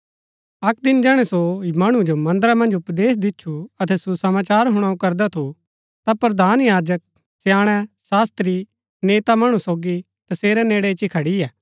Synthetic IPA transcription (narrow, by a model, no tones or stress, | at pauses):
ɐk̚d̪ɪnd͡ʒɛːɽ̃ɛsomɐɽ̃ũd͡ʒomɐ̃nd̪əɾamɐ̃nd͡ʒʊpd̪eːs̬d̪ɪtːʃʰuɐt̪ʰɛsusɐmaːt͡ʃaːɾɦʊɽ̃aukɐɾd̪ɛt̪ʰu | t̪apɾɐd̪ʱaːnjaːd͡ʒək̚ | sjaːɽ̃ɛsaːst̪ɾi | neːt̪amɐɽ̃ũsoːɡi | t̪ɐseːɾɛneːɽɛt͡ʃikʰɐɽiɛː